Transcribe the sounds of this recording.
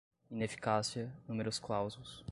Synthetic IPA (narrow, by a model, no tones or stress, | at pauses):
inefi̥kasiɐnũmeɾʊsklawzulʊs